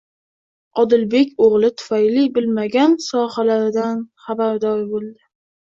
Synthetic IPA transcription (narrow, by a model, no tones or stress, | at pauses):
ɒd̪ɪlbe̞kʲoʁlˠɪt̪ʰʊ̥fajlibɪlmaɡʲansɒhalaɾɪd̪anχabaɾd̪ɒɾbolˠd̪ɪ